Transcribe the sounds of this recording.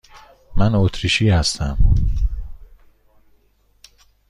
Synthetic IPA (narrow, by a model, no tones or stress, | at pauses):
mænot̪ʰɾiːʃiːhæst̪æm